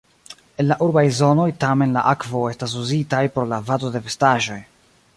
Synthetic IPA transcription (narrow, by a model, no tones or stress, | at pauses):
e̞nlaʔuɾbajzo̞no̞jtame̞nla̰ʔakvo̞e̞stas̬uzitajpɾolavato̞de̞ve̞staʒo̞j